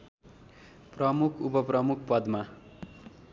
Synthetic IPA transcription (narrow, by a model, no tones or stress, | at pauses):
prʌmukʰupʌprʌmukʰpʌd̪ma